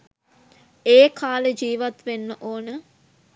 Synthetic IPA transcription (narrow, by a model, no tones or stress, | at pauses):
eːkʰaːləd͡ʒiːʋat̪ʋenːəʔoːnə